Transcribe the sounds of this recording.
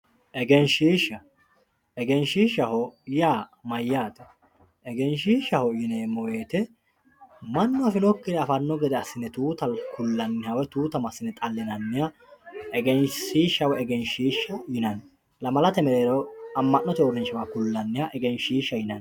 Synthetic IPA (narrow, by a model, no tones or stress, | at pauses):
ʔɛɡɛnʃiːʃːɐ | ɛɡɛnʃiːʃɐhɔjaːmɐjːaːt̪ɛ̥ | ʔɛɡɛnʃiːʃːɐhɔjɪneːmɔweːt̪ɛ | mɐnːɔɐfɪnɔkːɪd̪ɛɐfɐnːɔɡɛd̪ɛɐsːɪnːɛt̪uːt̪ɐlkʊlːɐnːɪhɐwɛt̪uːt̪ɐmɐsːɪnːɛt̪ʼɐlːɪnɐnːɪja | ʔɛɡɛnʃiːʃːɐwɛɛɡɛnʃiːʃːɐjɪnɐn | lɐmɐlɐt̪ɛmɛɾeːɾɐwɐmːɐʔnːɔt̪ɛɔɾɛnt͡ʃːɐmakʊlːɐnːɪhɐʔɛɡɛnʃiːʃːɐjɪnɐn